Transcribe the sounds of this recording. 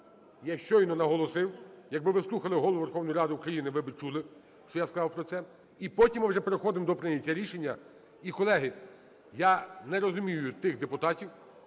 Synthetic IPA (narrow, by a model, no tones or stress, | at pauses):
jaʃt͡ʃɔjnɔnɐɦɔlˠɔsɪwjɐɡ̚bɪʋɪslˠuxɐlˠɪɦɔlˠʋʊʋerxɔwnɔjɾɑd̪ɪukɾɐjinɪʋɪbɪt͡ʃulˠɪ | ʃt͡ʃɔjaskɐzɑwpɾɔt̪sɛ | ipɔtʲimːwʒɛpeɾexɔd̪ɪmd̪ɔpɾɪnʲɐtʲːɐɾʲiʃenʲːɐ | ikɔlˠɛɦɪ | janɛɾɔzʊmʲijʊjʊt̪ɪɣd̪epʊt̪ɑtʲiw